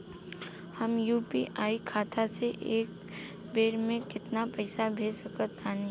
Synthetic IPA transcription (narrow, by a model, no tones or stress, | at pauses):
həmjuːpḭʔaːikʰaːt̪ʰaseʔeːk̚ | beːɾmẽkɪt̪napɛɪsabʱeːd͡ʒsɐkət̪aːne